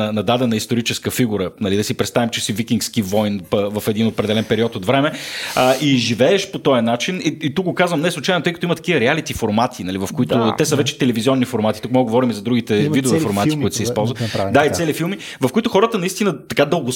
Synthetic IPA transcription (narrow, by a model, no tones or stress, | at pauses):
ɐnɐd̪ad̪ɛnɐist̪oɾit͡ʃɛskəfiɡuɾənɐlid̪ɐsipɾɛt̪st̪avimt͡ʃɛsivikʲiŋkskivɔjnpəvɐfɛd̪inopɾɛd̪ɛlɛnpɛɾiɔt̪ot̪vɾɛmɛʔiʒivɛɛʃpot̪ɔjɐnat͡ʃiniit̪uk̚ɡokazvəmnɛslˠut͡ʃajnot̪ɛjkɐt̪oimət̪ɐ̥kivəɾɛalit̪ifoɾmat̪ʰinɐlivɐfkoit̪ʊt̪ɛsəvɛt͡ʃɛ̥t̪ɛlɛvizʲiɔnːifoɾmat̪i̥t̪ukmɔɡɡovɔɾimizɐd̪ɾuɡʲit̪ɛvid̪ɛofoɾmat̪i̥kkoit̪sɛispɔlˠzvəd̪ait̪sɛlifilˠmi | vɐfkoit̪ʊxɔɾət̪ənɐist̪inət̪ɐkad̪əlˠɡos